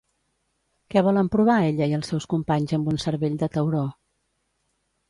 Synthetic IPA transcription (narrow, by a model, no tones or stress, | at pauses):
kɛβ̞ɔləmpɾuβ̞aeʎəiəlˠsɛwskumpaɲzəmbunsəɾβeʎd̪ət̪əwɾɔ